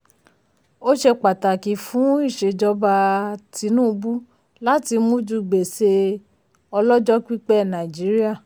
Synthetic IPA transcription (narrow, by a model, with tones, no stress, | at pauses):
o˦ʃe˧k͡pa˨ta˨ki˨fũ˨˦i˦˨ʃe˧d͡ʒɔ˧ba˧ti˧˦nũ˦˧bu˦ | la˦ti˧mũ˦d͡ʒu˧ɡ͡be˨se˧ | ɔ˧lɔ˦d͡ʒɔ˦ki˦k͡pɛ˦˨nã˨i˨d͡ʒi˨˦ɾi˦a˦˨